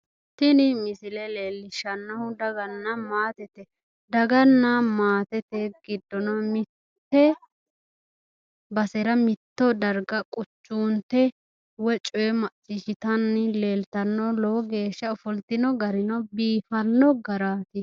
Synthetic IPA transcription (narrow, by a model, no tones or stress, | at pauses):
t̪ɪnɪmɪsɪlɛleːlːɪʃɐnːɐhʊd̪ɐɡɐnːɐmaːt̪ɛt̪ɛ | d̪ɐɡɐnːɐmaːt̪ɛt̪ɛɡɪd̪ːɔnɔmɪ | t̪ːɛ | bɐsɛɾɐmɪt̪ːɔd̪ɐɾɡɐkʼʊt͡ʃːuːnt̪ɛ | wɛt͡ʃʼɔjɛmɐt͡sʼːɪʃɪt̪ɐnːle̞ːlt̪ɐnːɔlɔwɔɡe̞ːʃːɐʊfɔlt̪ɪnɔɡɐɾɪnɔbiːfɐnːɔɡɐɾaːt̪ɪ